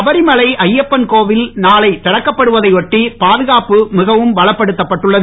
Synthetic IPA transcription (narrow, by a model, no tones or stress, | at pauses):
ɐbɐɾɪmɐlɐɪʔɐjːɐpːɐnkoːʋɪlnaːlɐɪt̪ːɐɽɐkːɐpːɐɽɯʋɐðɐɪʋɔʈːipaːðɯɣaːpɯmɪɣɐʋɯmʋɐɭɐpːɐɽɯt̪ːɐpːɐʈːɯɭːɐð